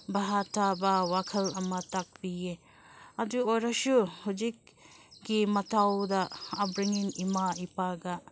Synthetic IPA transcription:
baɦatabawakʰɐlɐmɐtak̚bie | ɐduojɾɐsuhud͡ʒik̚ɡimɐtawdɐːbɾiŋiŋimaipaɡa

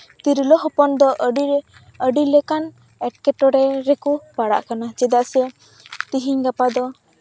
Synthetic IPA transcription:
t̪iɾilɔɦɔpɔnd̪ɔʔɖi | əɖilɛkan | ɛʈkɛʈɔɾɛɾɛkupaɽa̰ʔkanad͡ʒɛd̪aʔsɛ | t̪iɦiɲɡapad̪ɔ

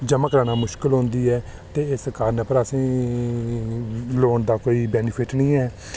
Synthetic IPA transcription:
d͡ʒəmaːkɾaːñaːmʊʃkɪlɦõːnd̪iːɛː | t̪eːɪsəkaːɾnɛ̃ːpəɾəsĩː | loːɳd̪aːkoːiːbɛːnɪpʰɪʈnĩːɛː

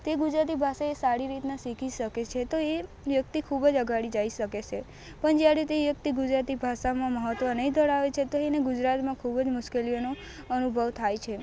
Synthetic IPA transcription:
t̪eɡud͡ʒɾat̪̬ibʱaʃaesaɾiɾit̪nasikʰiʃəket͡ʃʰet̪oe | ʋjək̚t̪ikʰubəd͡ʒəɡʱaɽid͡ʒaiʃəket͡ʃʰe | pəɳd͡ʒeaɾit̪eʋjək̚t̪iɡud͡ʒɾat̪ibʱaʃamãməɦət̪ʋənəid̪ʱəɽaʋet͡ʃʰet̪oeneɡud͡ʒɾat̪mãkʰubəd͡ʒmʊʃkelijono | ənubʱəʋt̪ʰajt͡ʃʰe

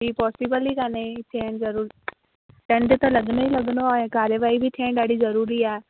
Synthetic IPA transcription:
ipɔːsɪbəlikanet̪ʰeːɳzɐɾuː | ʈə̃ɳɖt̪ãlɐɡnoiləɡnoaẽkaːɾjəʋaːibʱit̪ʰẽːɳɖaːɽizɐɾuːɾiːɛː

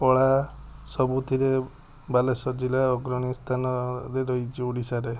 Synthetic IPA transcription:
pɔɭasɔbut̪ʰiɾe | balesɔd͡ʒilaɔɡɾɔɽ̃ist̪ʰanɔɾeɾɔɦit͡ʃʰioɽisaɾe

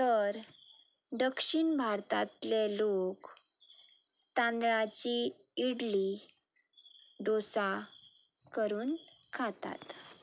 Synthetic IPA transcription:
t̪əɾ | ɖ̪əkʂiɳbʱaɾt̪at̪lelok | t̪ãnd̪ɭat͡ɕi | iɽli | d̪osa | kəɾuːnkʰat̪a̰t̪

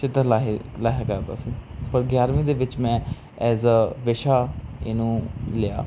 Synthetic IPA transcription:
t͡ʃɪt̪əlaːɦlaːɦekəɾt̪a̰siːpəɾɡjaːɾʋĩːd̪eːʋɪt͡ʃmɛ̃ː | ɛːzʋɪʃaːḛnũːlɪja̰ː

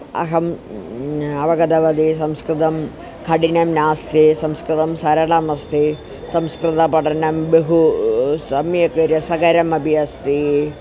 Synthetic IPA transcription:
ɐ̰ɦɐm | ɐʋɐɡɐd̪ɐʋɐd̪isɐmskɾɨt̪ɐm | kʰɐɖinɐmnaːst̪isɐmskɾɨt̪ɐmsɐɾɐɽamɐst̪i | sɐmskɾɨt̪ɐpɐʈɐnɐmbeɦusɐmjɐkɐɾjɐsɐɡɐɾɐmɐbʱijɐst̪i

